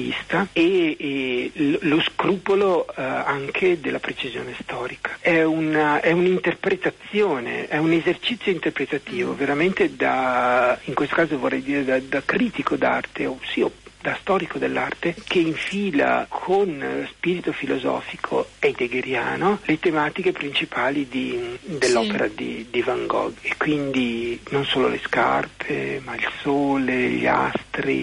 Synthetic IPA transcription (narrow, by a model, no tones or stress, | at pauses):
ḭst̪ae | lloskɾuːpoloaŋkʰed̪elːapɾet͡ʃizjo̰ːnest̪ɔːɾikʰḁɛunɛunint̪erpɾet̪at̪sːjoːnḛɛunezert͡ʃit̪sːjoint̪erpɾet̪at̪iːvo̰veɾament̪ed̪a | iŋkwest̪o̥kaːzovorːɛjd̪iːɾed̪ad̪akɾiːt̪ikʰod̪a̰rt̪eosiːod̪ast̪ɔːɾikod̪elːart̪ekʰeiɱfiːla̰kʰonspiːɾit̪ofilozɔ̰ːfikʰo̰ejd̪eɡeɾja̰ːnolet̪emaːt̪ikepɾint͡ʃipʰaːlid̪id̪elːɔːpeɾad̪ḭd̪ivaŋɡɔ̰ɡekːwind̪inonsoːlo̰leska̰rpʰḛmailsoːleʎia̰st̪ɾḭ